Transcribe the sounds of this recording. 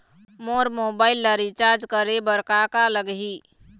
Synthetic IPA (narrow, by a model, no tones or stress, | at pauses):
moɾmobailːəɾit͡ʃaɾd͡ʒkəɾebəɾkakaləɡɦi